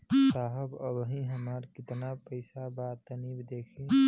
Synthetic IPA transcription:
saːɦəbəbɦĩɦəmaːɾkɪt̪napəɪsabat̪ənibd̪eːkʰi

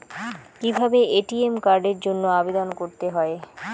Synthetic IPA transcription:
kibʱabeeʈiemkaɾɖeɾd͡ʑonːoabed̪onkoɾt̪eɦɔe

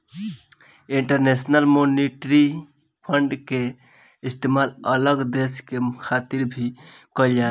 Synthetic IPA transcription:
iɳʈəɾnesnəlmoniʈɾi | pʰəɳɖke | ist̪emalələɡd̪eskekʰat̪iɾbʱikɔld͡ʒa

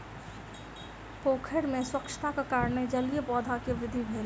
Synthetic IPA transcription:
poːkʰəɾmẽswɐkʃə̥t̪ʰakakaːɾned͡ʒɐlijebɔːd̪ʱakeʋɾɪd̪ʱːibʱeːle

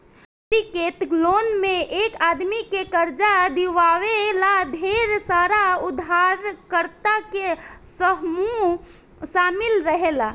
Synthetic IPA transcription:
t̪iket̪lonmeʔekad̪mikekəɾd͡ʒad̪iʋaʋelad̪ʱeɾsaɾaud̪ʱaɾkəɾt̪akesəɦmu | samilɾəɦela

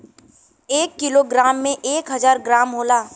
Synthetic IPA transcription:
eːkːɪloɡɾaːmːẽʔeːkɦɐzaːɾɡɾaːmɦoːlaː

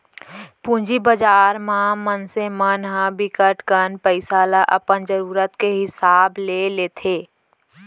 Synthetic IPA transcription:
pũːd͡ʒibəd͡ʒaːɾmãmənsemənɦãbɪkəʈkənpəɪsaːlaʔɐ̰pənd͡ʒəɾuːɾət̪keɦɪsaːbleːleːt̪ʰeː

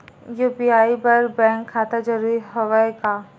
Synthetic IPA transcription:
juːpiaːibɐɾbɛ̃ːŋkʰːaːt̪ad͡ʒɐɾuːɾiɦoʋaekaː

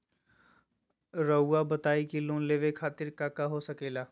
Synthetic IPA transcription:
ɾəuabət̪aːikilõːnleːʋekʰaːt̪ɪɾkaːkaɦosəkeːlaː

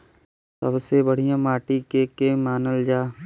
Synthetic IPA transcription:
səbsebəɽ̤ijãːmaːʈikeːkemaːnəld͡ʒaː

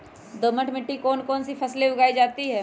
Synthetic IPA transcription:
d̪oməʈʰmɪʈːikɔːnkɔːnsifɐsleʊɡaːid͡ʒaːt̪iɦɛː

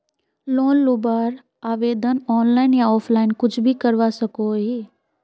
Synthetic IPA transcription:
loːnlʊbaːɾ | aːʋeːd̪ənɔːnlaːɪnjaɔːpʰlaːɪnkʊt͡ʃʰbʱikəɾʋasəkoɦiː

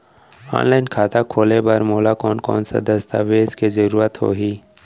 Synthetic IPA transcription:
ɔ̰ːnlaːɪnkʰaːt̪akʰoːlebɐɾmoːlakɔːnkɔ̰ːnsa̰d̪ɐst̪a̰ːʋeːzkizəɾuːɾət̪ɦo̰ːɦiː

